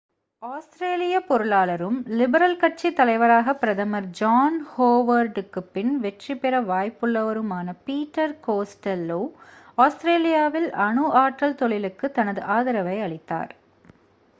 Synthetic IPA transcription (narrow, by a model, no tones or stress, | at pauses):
aːsʈɾeːlɪjɐpɔɾɯlaːlɐɾɯmlɪbɐɾɐlkɐʈ̚t͡ʃːit̪ːɐlɐɪʋɐɾaːɣɐpːɪɾɐðɐmɐɾd͡ʒaːnhoːʋɐɾɖɯkːɯpːɪnʋɛʈripɛɾɐʋaːjpːɯɭːɐʋɐɾɯmaːnɐpiːʈːɐɾkoːsʈɐloːaːsʈɾeːlɪjaːʋɪlʔɐɳɯʔaːʈrɐlt̪ɔɭɪlɯkːɯt̪ɐnɐðɯʔaːðɐɾɐʋɐɪɐɭɪt̪ːa̰ːɾ